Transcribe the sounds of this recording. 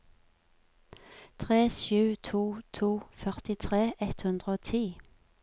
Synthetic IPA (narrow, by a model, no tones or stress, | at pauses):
t̪ʰʁeːʃʉːt̪ʰuːt̪ʰuːfœʁt̪ɪt̪ʰʁeːʔɛt̪hʉnd̪ʁəoːt̪ʰiː